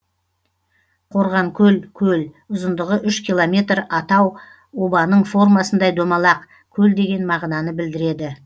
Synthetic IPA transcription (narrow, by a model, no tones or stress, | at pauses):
qʰo̞ɾʁɑɴkʲʰɵlkʲʰɵl | ʊzənd̪əʁəʔʏʃkʲilˠomʲe̞t̪ɾɑt̪ɑw | o̞bɑnəɴfo̞rmɑsənd̪ɑjd̪omɑlˠɑq | kʲʰɵld̪e̞ɡʲe̞nmɑʁnɑnəbɪld̪ɪɾe̞d̪ɪ